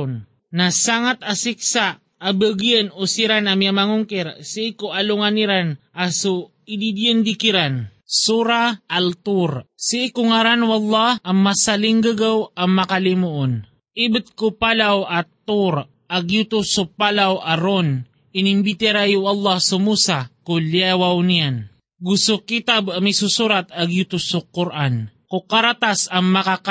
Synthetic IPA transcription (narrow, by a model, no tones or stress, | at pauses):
n | nasaŋat̪asɪk̚saː | bəɡjənosiɾanamjamaŋʊŋkɛɾsiʔɪkoʔalʊŋaniɾanʔasu | ɪd̪id̪jənd̪ikɪɾansuɾaʔalt̪uɾsiʔɪkoŋaɾanwalːɑhɐŋmasalɪŋɡaɡawɐŋmɐkalimuʔon | ʔɪbɪt̪̚kʊpalawʔɐt̪uɾ | ʔɐɡjut̪usʊpalawʔɐɾon | ɪnɪmbit̪ɛɾajʊʔɐlˠːɑhsʊmuːsakʊljɛwawnɪjan | ɡʊsokit̪abɐmisusuɾat̪ɐɡjut̪usukʊɾʔankʊkaɾat̪asɐŋmɐkak